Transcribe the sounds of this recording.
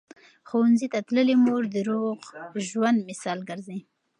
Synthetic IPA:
xowanzit̪at̪ləlimoɾd̪əɾoɣʒwand̪mɪsɑlɡəɾzi

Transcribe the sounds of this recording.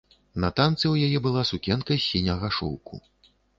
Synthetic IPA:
nɐt̪ant̪sɨwjajɛbɨlˠasukʲɛnkɐsʲinʲɐɣaʂɔ̰wkʰṵ

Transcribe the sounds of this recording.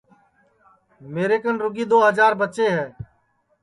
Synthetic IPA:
meːɾeːkənɾʊɡiːd̪oːɦəd͡ʒaːɾbətːt͡ʃeːɦɛː

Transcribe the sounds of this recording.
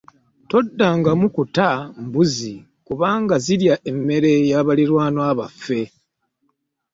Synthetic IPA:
to̞dːaŋɡamukutambuzi | kuβaːŋɡaziɾjaʔe̞mːe̞ɾe̞jaβaliɾwaːnwaβafːe̞

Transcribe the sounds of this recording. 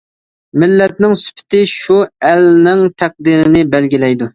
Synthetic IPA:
mɪlːɛt̪̚nɪŋsy̥pʰɪ̥t̪ɪʃuælnɪŋt̪ʰæq̚d̪iɾɪnɪbɛlɡʲilɛjd̪u

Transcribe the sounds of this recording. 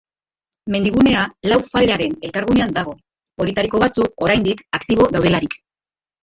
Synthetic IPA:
me̞nd̪iɣ̞une̞alawfaleaɾe̞ne̞lkaɾɣ̞une̞and̪aɣ̞o̞ | oɾit̪aɾiko̞β̞at͡suko̞ɾajnd̪ikakt̪iβ̞o̞ðawðe̞laɾik

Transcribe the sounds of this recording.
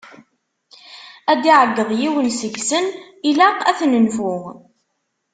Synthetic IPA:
æd̪iʕəɡːəðˤjiwənsəʝsən | ilæqæθnənfʊʁ

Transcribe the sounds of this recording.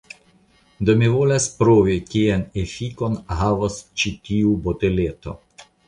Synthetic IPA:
d̪omivolaspɾovikienefiko̞nɦavost͡ʃitiubot̪elet̪o̞̰

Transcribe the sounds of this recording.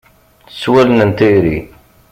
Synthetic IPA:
θə̥swælənənt̪iɾi

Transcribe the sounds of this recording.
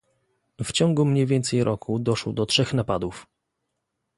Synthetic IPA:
ft͡ɕɔŋɡumɲejvʲjɛnt̪sɛjɾʔɔkʰud̪ɔʂwɔd̪ɔtʂɛxnapad̪uf

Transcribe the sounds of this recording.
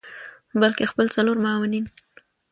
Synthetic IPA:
balkexpəlt͡saloɾmaɑwanin

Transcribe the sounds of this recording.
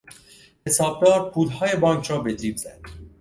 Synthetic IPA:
hesɑːb̚ɡɑːɾpʰuːlɦɑːjebɑːŋkʰɾɒːbed̪ɾiːbzæd̪̥

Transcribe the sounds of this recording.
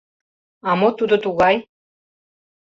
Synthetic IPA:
amot̪ud̪ot̪uɣaj

